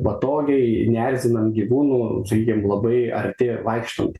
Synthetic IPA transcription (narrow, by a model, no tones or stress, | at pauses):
pɐt̪oːɡʲɛɪnʲærʲzʲɪnɐmɡʲiʋuːnuːsɐkʲiːkʲɪmlˠɐbɐɪɐ̰ɾʲt̪ʲɪʋɐɪkʃt̪o̰mt̪